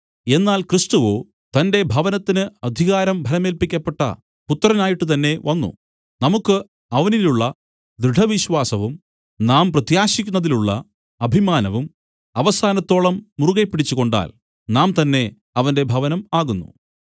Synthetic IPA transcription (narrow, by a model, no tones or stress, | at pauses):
e̞nːaːlkrist̪uʋo̞ː | t̪ɐnde̞bʱɐʋɐnɐt̪ːinɨɐd̪ʱiɣaːɾɐmbʱɐɾɐmeːlpikʲːɐpːe̞ʈːɐ̰ | put̪ːɐrɐnaːjiʈːɨt̪̬ɐnːe̞ʋɐnːṵ | nɐmukːɨ | ɐʋɐniluɭːɐ | d̪ɾɨɖʰʱɐʋiɕwaːsɐʋum | naːmprɐt̪jaːɕikʲːunːɐðiluɭːɐ̰ | ɐbʱimaːnɐʋum | ɐʋɐsaːnɐt̪ːo̞ːɭɐmːuruɣɐpːiɽit͡ɕːuko̞ɳɖa̰ːl | naːmt̪ɐnːe̞ | ɐʋɐnde̞bʱɐʋɐnɐmaːɣunːṵ